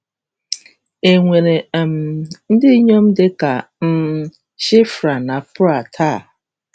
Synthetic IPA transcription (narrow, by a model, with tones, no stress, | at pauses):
e˨ŋʷe˨ɾe˨m̩˨n̩˦dɪ˦ɲo˦m̩˦dɪ˦ka˨ | m̩˦ | ʃɪ˦fɾa˨na˨pʊ˦a˨tʰa˦˨